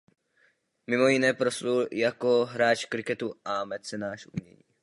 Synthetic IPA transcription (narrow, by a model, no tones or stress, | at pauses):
mɪmo̞jɪnɛːpɾosuljako̞ɦɾaːt͡ʃkɾɪkɛt̪uʔamɛt̪t͡sɛnaːʃʔṵmɲɛ̰ɲiː